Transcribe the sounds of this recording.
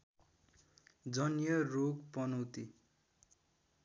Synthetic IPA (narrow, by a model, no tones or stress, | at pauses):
d͡zʌnjʌrokpʌnʌwt̪i